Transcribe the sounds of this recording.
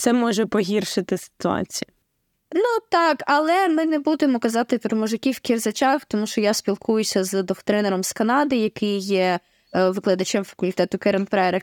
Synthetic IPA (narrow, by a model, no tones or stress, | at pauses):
t̪sɛmɔʒɛpɔɦʲirʃɪt̪ɪsɪ̥t̪ʊɑ̰t͡sʲijʊ | nut̪ɑkɐlˠɛmɪnebud̪ɪmɔkɐzɑt̪ɪpɾɔmɔʒɪkʲiwkʲirzɐt͡ʃɑxt̪ɔmuʃt͡ʃɔjasʲpʲilˠkʰujʊsʲɐzd̪ɔxt̪ɾɛneɾɔmskɐnɑd̪ɪjɐkɪjːɛ | ʋɪklˠɐd̪ɐt͡ʃɛmfɐ̥kʊlʲt̪ɛt̪ʊkɛɾɐnpɾɛɾɛ